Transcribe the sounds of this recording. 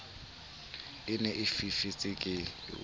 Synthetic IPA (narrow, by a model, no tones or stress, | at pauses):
ɪnɛʔɪfifɪt͡sʼɪkʼɪ̰